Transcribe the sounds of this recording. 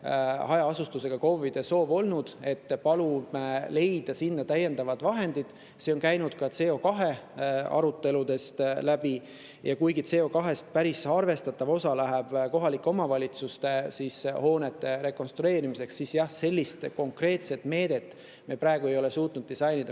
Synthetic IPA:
hɑjɑɑsust̪use̞ɡ̥ɑko̞vid̪̥e̞so̞ːvo̞lnud̪̥e̞t̪ːpɑlumele̞jd̪̥ɑsinːɑt̪æjːe̞nd̪ɑvɑd̪vɑɦe̞nd̪̥id̪̥ | seo̞nkæjnud̪̥kɑt̪se̞ːo̞kɑɦe̞ɑ̰ɾut̪ːe̞lud̪e̞st̪læb̥i | jɑ̰kujɡit̪se̞ːo̞kɑɦe̞st̪̚pæɾisɑrve̞st̪ɑt̪ːˑɑvo̞sɑlæɦeb̥ko̞ɦɑlikːˑeo̞mɑvɑlʲit̪sust̪e̞siːsho̞ːne̞t̪ːˑe̞ɾe̞ko̞nst̪ɾue̞ːɾimise̞ksːisjɑhse̞lʲːist̪ko̞ŋkre̞ːt̪se̞t̪ːˑme̞ːd̪̥e̞t̪ːˑ | mepɾæeɡ̥ue̞jo̞le̞suːt̪ˑnud̪̚ːisɑjnid̪ɑ

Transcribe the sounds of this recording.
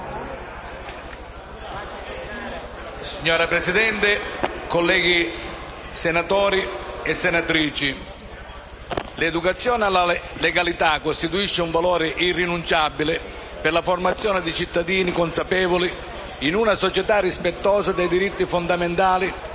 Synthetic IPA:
siɲːɔːɾapɾɛsid̪ɛnt̪ɪkolːɛːɡi | senat̪ɔːɾiɛsːenat̪ɾiːt͡ʃi | led̪ukat̪sːjɔːnɪalaleɡalit̪akːost̪it̪uiʃːɪuɱvalɔːɾɪʔirinunt͡ʃabilɪ | pɪrlaformat̪sːjɔːnɪd̪it͡ʃit̪ːad̪iːnikonsapɛːvoli | inunasɔt͡ʃɛt̪arːispɛt̪ːɔːzad̪ejd̪iɾit̪ːifond̪ament̪aːli

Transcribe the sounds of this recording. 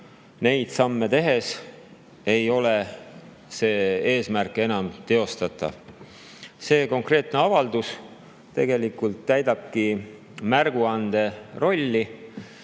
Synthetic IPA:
ne̞jd̪̥sɑmːe̞t̪e̞ɦe̞s | e̞jo̞le | se̞ːe̞ːsmærkˑe̞nɑmt̪e̞o̞st̪ɑt̪ːˑɑ̰ | se̞ːko̞ŋkre̞ːt̪ˑneɑvɑld̪̥us | t̪e̞̰ɡ̥e̞likult̪ːæjd̪̥ɑb̥̚ki | mærɡ̥uɑnd̪̥e̞ro̞lʲːi

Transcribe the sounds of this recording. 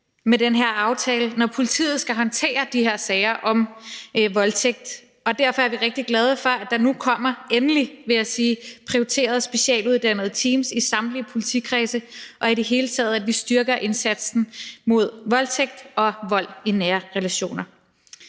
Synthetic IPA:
medenɦeɐ̰ɑ̈ʊt͡sʰɛːlənɒpʰo̝lit͡sʰḭːð̩ˠsɡ̥æɦɒ̽nt͡sʰe̝̰ːɐd̥iheɐ̰sɛːɪɐʔɒ̽mʋɒ̽lt͡sʰeɡ̥̚d̥ | ɒ̽d̥æɐfɒæɐʋiʁeɡ̥̚d̥iɡ̥lɛð̞ˠəfɒ̽æd̥ɑ̈nukʰɒ̽m̰ɐenəliʋe̝æsiːpʰʁioit͡sʰe̝̰ːɐð̞ˠsb̥e̝ɕɛ̰ːluðˠd̥æn̰ð̞̩ˠt͡sʰiːmsisɑ̈md̥lipʰo̝lit͡sʰikʰʁɛːsəʔɒ̽id̥e̝ɦe̝ːlət͡sʰɛ̰ːð̞̩ˠædʋisd̥ɶɐɡ̥ɐʔe̝nsæd̥sn̩mo̝ð̞ˠʋɒ̽lt͡sʰeɡ̥̚d̥ɒ̽ʋɒ̽l̰inæːɐʁelæɕo̝̰ːnɐ

